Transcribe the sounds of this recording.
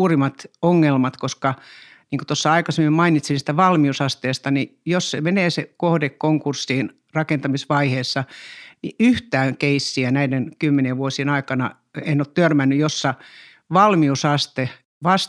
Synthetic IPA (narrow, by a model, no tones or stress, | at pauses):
uːrimˑɑt̪oŋːelmɑt̪koskɑ | niːŋko̥t̪osːɑɑikɑsemːimmɑinit̪sinsi̥t̪æʋɑlmiusɑst̪eːst̪ɑnijossemeneːsekohdekkoŋkursːiːn | rɑkent̪ɑmisʋɑiheːsːɑnḭyht̪æːŋkeisːiænæidenkymːenieʋʋuosienɑikɑnɑ | einːoːt̪t̪ørmænːyjosːɑ | ʋɑlmiusɑst̪e | ʋɑs